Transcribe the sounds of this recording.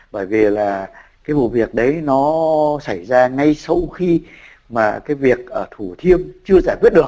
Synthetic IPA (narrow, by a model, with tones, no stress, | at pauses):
ɓəː˧˩jvi˨˩laː˨˩kaː˨˦jvṵ˨˩vi˨˩ək̚ɗə˨˦jnɔ˨˦sa˧˩jzaː˧ŋa˧jsə˧wxi˧ | maː˨˩kaː˨˦jvi˨˩ək̚ʔəː˧˩t̪ʰu˧˩t̪ʰi˧əmt͡ɕɨ˧əzaː˧˩jkwt̚ɗɨ˨˩ək̚